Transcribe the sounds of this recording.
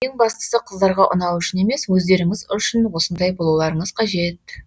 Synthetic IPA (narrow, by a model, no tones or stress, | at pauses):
je̞ŋbɑst̪ə̥səqʰəzd̪ɑɾʁɑʔʊ̰nɑwʏʃɪne̞me̞swɵzd̪e̞ɾɪŋɪzʏʃɪnwo̞sənd̪ɑjbo̞lˠulˠɑɾəɴəz̥qʰɑʒe̞t̪̚